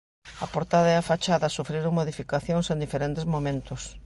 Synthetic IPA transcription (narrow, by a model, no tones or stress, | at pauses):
ɐpoɾt̪aðɐeafat͡ʃaðɐsufɾiɾʊŋmoðifikaθjoŋsẽnd̪ifeɾent̪ezmomẽnt̪ʊs